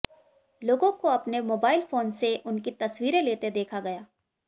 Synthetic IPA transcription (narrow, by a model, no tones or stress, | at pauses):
loːɡõkoɐpnemoːbaːɪlfoːnseʔʊnkit̪ɐswiːɾeleːt̪ed̪eːkʰaɡɐjaː